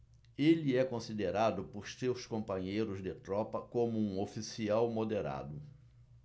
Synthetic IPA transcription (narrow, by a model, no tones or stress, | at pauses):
eliɛkõsid̪eɾad̪ʊpoɾsewskõmpɐ̃ɲejɾʊzd̪ɪt̪ɾɔpɐkõmʊũofisiawmod̪eɾa̰d̪ʊ